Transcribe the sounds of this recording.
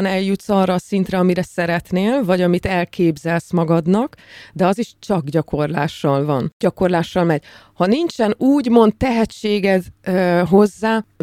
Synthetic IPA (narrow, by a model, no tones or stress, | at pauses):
nɛljut̪sɒːrːɒːsint̪ɾɛɒmiɾɛsɛɾɛt̪neːlvɒɟɒmit̪ɛlkeːbzɛlsmɒɡɒd̪nɒkd̪ɛɒziʃt͡ʃɒɡɟɒko̞rla̰ːʃːɒlvɒnɟ̥ɒko̞rlaːʃːɒlmɛɟhɒnint͡ʃɛnuːɟmo̞nt̪t̪ɛɦɛt͡ʃːeːɡɛd̪ɦo̞zːaː